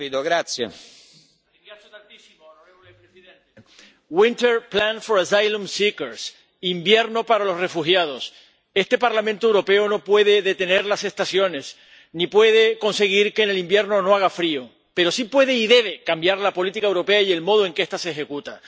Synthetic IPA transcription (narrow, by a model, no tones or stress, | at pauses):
id̪oɣɾat̪sjḛ | asot̪ant̪isimoelepɾesiðent̪e | wint̪eɾplanfo̞ɾasajlũmsikeɾs | imbje̞ɾno̞paɾalo̞sre̞fuxjað̞o̞s | e̞st̪e̞paɾlamẽnt̪oewɾo̞pe̞ono̞pwe̞ð̞e̞ðe̞t̪e̞ne̞ɾlase̞st̪asjo̞ne̞s | nipwe̞ðeko̞nse̞ɣ̞iɾkene̞limbje̞ɾno̞no̞aɣ̞afɾio | pe̞ɾo̞sipwe̞ðe̞iðe̞βe̞kambjaɾlapo̞lit̪ikaewɾo̞pe̞aie̞lmo̞ð̞oe̞ŋkeest̪aseːxe̞kut̪a